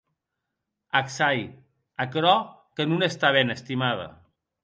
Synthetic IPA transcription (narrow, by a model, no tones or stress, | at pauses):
aksaj | akɾɔ | kənunest̪aβ̞enəst̪imað̞ɐ̰